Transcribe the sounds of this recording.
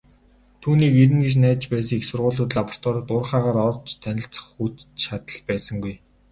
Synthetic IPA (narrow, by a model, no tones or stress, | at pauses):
t̪ʰuːniːkeɾɘ̆ŋɡet͡ɕnæːt͡ɕpæːs̬ə̆ŋixsʊrʁʊːɮʊːt̪ɮapɔ̥r̥t̪ʰɔːɾt̪ʊrχaːʁaːɾɔrt͡ɕʰt̪ʰænʲɪ̆ɬt͡sə̥̆χut͡ɕʃat̪ə̆ɮpæːsə̆ŋɡuj